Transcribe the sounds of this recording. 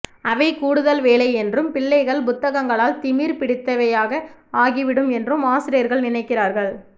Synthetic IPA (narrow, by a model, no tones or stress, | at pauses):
ɐʋɐɪkuːɽɯðɐlʋeːɭɐɪɛndrɯmpɪɭːɐɪɣɐɭpʊt̪ːɐɣɐŋɡɐɭaːlt̪ɪmiːɾpɪɽɪt̪ːɐʋɐjaːɣɐaːɣiʋɪɽɯmɛndrɯmaːsɪɾɐjɐɾɣɐɭnɪnɐɪkːɪraːɾɣɐɭ